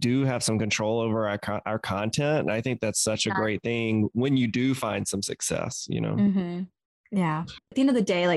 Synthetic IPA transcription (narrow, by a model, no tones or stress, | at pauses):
d̥ɨɨv̥sʌ̃mkɨ̃ntʰɹ̥oʊlˠoʊvə˞aʊə˞kʰʔaʊə˞kʰɑ̃ntʰɛ̃ntnaɪθɪ̃ŋk̚ðætsʌt͡ʃɨɡɹeɪt̪̚θɪ̃ŋwɨ̃njɨdɨfãɪ̃nd̥sʌ̃msɨ̰ksɛ̰sjɨ̰no̰ʊm̥m̩ | jæɨt̪ðiɛ̃ndʌvðɨdeɪlaɪ